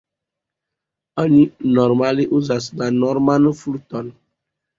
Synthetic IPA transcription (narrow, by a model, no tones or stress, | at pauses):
əɲĩnɔɾmaliʔuzasɡanɔɾmanfulut̪ɔn